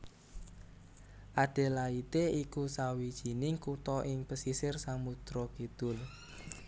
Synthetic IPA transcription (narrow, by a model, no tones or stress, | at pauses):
ʔaɖ̥e̤lait̪eikusawid̥ʒ̥i̤nɪŋkut̪ɔʔɪŋpəsisɪrsaŋmut̪ɾɔkid̪̥ʊl